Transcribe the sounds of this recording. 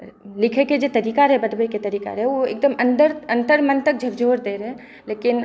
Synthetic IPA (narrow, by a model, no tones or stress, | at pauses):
lɪkʰeked͡ʒet̪əɾiːkaɾɦɛbəd̪beket̪əɾiːka̰ɾɛoek̚d̪əmənd̪əɾə̃nt̪əɾmənt̪ək̚d͡ʒʱəɡd͡ʒʱoːɾd̪eːɾɛ | leːkɪn